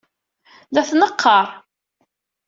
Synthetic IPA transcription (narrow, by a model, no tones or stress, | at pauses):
ðæθnəqʰːɑɾˤ